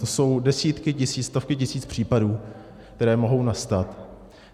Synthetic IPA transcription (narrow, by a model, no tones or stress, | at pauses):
so̞wdɛsiːt̪kɪcɪsiːt͡sst̪o̞fkɪcɪsiːt͡spr̝̥iːpaduː | kt̪ɛɾɛːmo̞ɦo̞wnast̪at̪